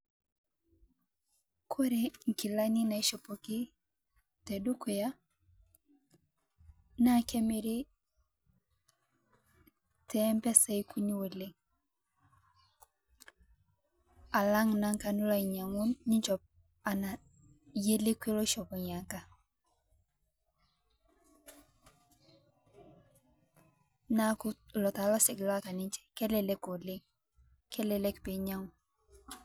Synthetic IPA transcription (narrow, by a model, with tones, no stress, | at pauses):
kʰo˦ɾe˨ŋ̩˨ki˨la˦ni˦na˨i˦ʃo˨po˨kɪ˦ | tɛ˨du˦ko˨ja˦ | na˦˨kɛ˦me˦ɾe˦ | tɛ˦mpɛ˦sa˦i˦ku˦ɲi˦wo˨le˦ŋ | a˨la˦ŋna˦ŋka˨nu˦la˦i˨ɲa˨ŋʊ˦nɲɪ˦ɲt͡ʃɔ˨p̚ | a˨na˨ | je˦le˦kwe˦lo˦ʃɔ˨bɔ˨ɲa˨ŋka˦ | na˦kʊ˦lɔ˨ta˨lɔ˦sɪ˨kla˦ka˨nɪ˦ɲt͡ʃɛ̥˦kɛ˦lɛ˨lɛ˦ko˨lɪ˦ŋ | kɛ˦lɛ˨lɛ˦kpɪ˨ɲa˦ŋʊ˨n